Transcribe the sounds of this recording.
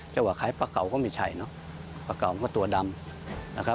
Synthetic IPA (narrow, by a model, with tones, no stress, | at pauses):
t͡ɕɛː˧˩waː˧˩kʰaː˨˦jpaː˧ka˨˩wkɔː˧˥˩ma˧˩t͡ɕʰa˧˩jnɔ˦˥ | paː˧ka˨˩wma˧kɔ˧˩t̪u˧ɐda˧mlaː˧˩kʰa˦˥